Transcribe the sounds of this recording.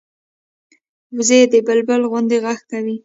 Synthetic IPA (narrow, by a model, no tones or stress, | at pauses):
wzed̪əbəlbəlɣʊnd̪eɣaxkawi